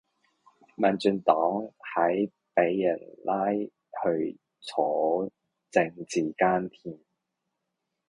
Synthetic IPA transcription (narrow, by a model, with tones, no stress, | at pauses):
maː˨nt͡ʃyː˧nt̪ɔː˨˥ŋhɐ˨˥j | pe˨˥jːɐ˨˩nlaː˥j | hɵ˧ɥ | t͡sʰɔː˨˥ | t͡sɪ˧ŋt͡siː˨˩kaː˥nt̪ʰiː˧˩n